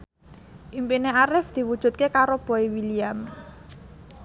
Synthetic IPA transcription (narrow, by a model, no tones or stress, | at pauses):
ʔimpineaɾɪfd̪̥i̤wud̥ʒ̥ṳt̪̚kekaɾob̥ɔ̤iwiliam